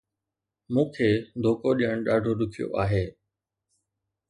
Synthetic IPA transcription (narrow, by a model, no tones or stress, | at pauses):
mũːkʰeːd̪ʱoːkoɗijəɽ̃ɗaːɖʱoɗʊkʰijo̰ʔaːɦeː